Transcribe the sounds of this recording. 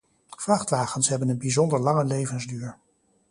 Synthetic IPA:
v̥rɑχtʋaːχənsɦɛbənənbizɔndəɹlɑŋəlejvənzdyːɹ

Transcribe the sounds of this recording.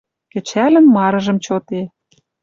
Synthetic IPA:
kɘ̆t͡ɕælə̆nmɑɾɤ̆ʒɤ̆mt͡ɕot̪e

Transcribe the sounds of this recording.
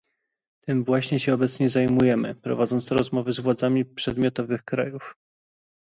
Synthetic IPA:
t̪ɘmvwaɕɲɛɕɛɔbɛt̪sɲɛzajmujɛmɘ̰pɾɔ̰vad̪zɔnt̪ɔɾɔzmɔvɘzvwad̪zamʲipʂɛd̪mʲjɔt̪ɔvɘxkɾa̰juf

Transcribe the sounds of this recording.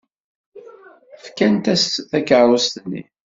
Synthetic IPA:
fkænt̪æsθækʕɾust̪nːḭ

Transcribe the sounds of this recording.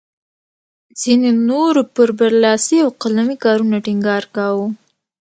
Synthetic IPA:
z̥inenoɾopəɾbaɾlɑsiawqalamikɑɾunaʈiŋɡɑɾkawu

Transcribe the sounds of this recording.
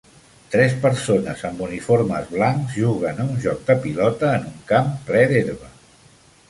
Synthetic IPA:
t̪ɾɛspəɾsonə̰zəmbunifoɾmə̰zβlaŋzʒuɣ̞ənəunʲʒɔk̚d̪əpilɔt̪əːnuŋkamplɛðeɾβə

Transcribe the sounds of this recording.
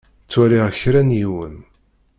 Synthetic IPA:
t͡sːwæɾiʁəçɾænjiwən

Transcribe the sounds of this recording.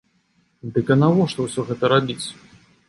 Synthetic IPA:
d̪ɨkʲɐnavɔʂt̪ɔwsʲɔɣɛt̪ɐɾabʲit͡sʲ

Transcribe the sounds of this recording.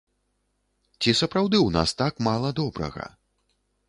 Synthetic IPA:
t͡sʲisɐpɾawd̪ɨwna̰st̪akmalˠɐd̪ɔbɾɐ̰ɣɐ̰

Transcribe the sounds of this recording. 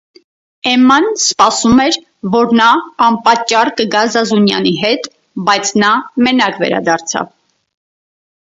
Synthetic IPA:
ɛmɑnspɑsumɛɾ | vɔɾnɑːmpɑt͡ʃːɑrkəɡɑzɑzunjɑ̰niɦɛt̪ | bɑjt͡sʰnɑmɛnɑkvɛ̰ɾɑ̰d̪ɑɾt͡sʰɑ̰v

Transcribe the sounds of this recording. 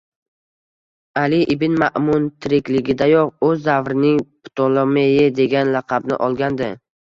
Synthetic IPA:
alɪʔɪbɪnmaʔmʊnt̪ʰɪɾɪkʲlɪɡʲɪd̪ajɒqɵzːavɾɪnɪŋpʊ̥t̪ʰolˠomejɪd̪e̞ɡʲanlɑqʰɑbnɪ̰ʔɒlˠɡʲand̪ɪ

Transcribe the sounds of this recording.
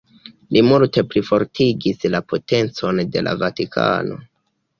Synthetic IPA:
limulte̞pɾifo̞ɾtʰiɡislapo̞te̞nt͡so̞nde̞lʔa̰vatikʰa̰no̞̰

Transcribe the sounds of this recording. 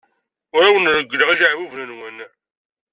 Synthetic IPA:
ʊɾawənɾəɡʷːələʁiʒaʕwuvnænwæn

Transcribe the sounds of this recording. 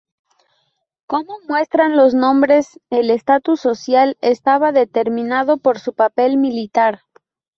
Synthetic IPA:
ko̞momwe̞st̪ɾanlo̞znõ̞mbɾe̞sele̞st̪at̪usːo̞sjalest̪aβaðe̞t̪e̞ɾmĩnað̞o̞po̞ɾsupape̞lmilit̪aɾ

